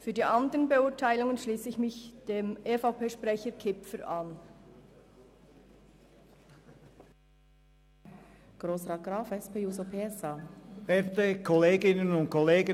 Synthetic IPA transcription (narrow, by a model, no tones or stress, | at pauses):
fyːɐdiːʔandəʁənbeʊːɐtʰaɪlʊŋənʃliːsəɪçmɪçd̥eːmʔefaʊpeːʃpʁɛçəkʰɪpfəɾʔan | ɡ̥ʁoːsʁaːɡ̥ʁaːfɛspʰeːjuːzopʰeːɛsaːbɛt̪əkʰɔleːɡɪnənʊntkʰɔleːɡə